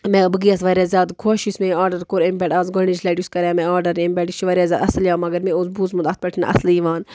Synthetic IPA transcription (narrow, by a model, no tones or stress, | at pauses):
mẽbɨɡijasʋɐɾʲjazʲaːd̪kʰoːʃismẽaːɾɖɐɾkoːɾempʲɛːʈaːzɡɐɳnit͡ʃʰlɐːʈjuskɐɾjaːmẽaːɾɖɐɾempʲɛːʈiʃiʋɐɾʲjaːzʲjaːd̪ɐsljaːmɐɡɐɾmẽozbuːzmud̪at̪pɐʈʰna̰ʔɐ̰sliʋaːn